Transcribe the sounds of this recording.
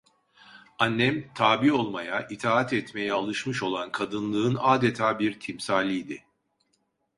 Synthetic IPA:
anːɛmt̪ʰaːbio̞lˠmajaʔit̪ʰaːat̪ɛt̪me̞jɛalˠɯʃmɯʃo̞lˠankʰad̪ɯnlˠɯɯnaːd̪et̪ʰaːbiɾt̪ʰimsaːlʲijd̪ɪ

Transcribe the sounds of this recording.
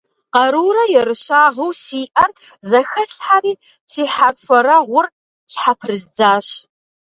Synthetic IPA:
qɐɾuːɾɐjɛɾɨɕaːʁɐwsiːʔɐr | zɐxɐɬħariː | sʰiːħarfʷɔɾɐʁʷʊr | t͡ʃħapʰrɨzd͡zaːɕ

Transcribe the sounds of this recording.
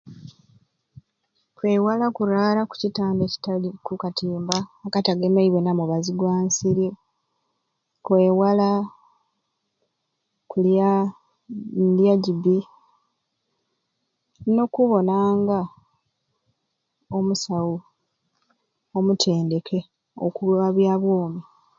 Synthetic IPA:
kwe̞ːwalakuɾaːlaku̥citaːndeci̥taikukatiːmbaːkataɡemaiβwenamuβaziɡwaːnsiɾi | kwe̞ːwala | kulja | ndjaɟibi | no̞kuβo̞naːŋɡa | omusawu | o̞mutʰe̞ːnde̞kʰe̞ | o̰kuluaβjaːβwoːmi

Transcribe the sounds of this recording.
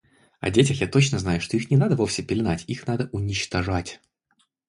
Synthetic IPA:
ɐ̰dʲetʲɪxjat̪o̞t͡ɕnəznajʊʂt̪o̞ixnʲɪnad̪əvo̞fsʲɪpʲɪlʲɪnatʲixnad̪əʔʊnʲɪt͡ɕt̪ɐʐatʲ

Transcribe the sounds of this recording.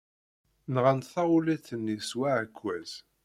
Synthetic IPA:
nʁənt̪θɑulæθənːiswaʕəkʷːæz̥

